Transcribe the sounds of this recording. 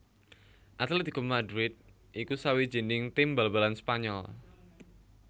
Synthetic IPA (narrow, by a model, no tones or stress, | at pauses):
ʔat̪litd̪ikumadɾɪt̪̚ | ʔikusawi̥d͡ʒ̥i̤nɪŋt̪imbalbalanspaɲɔl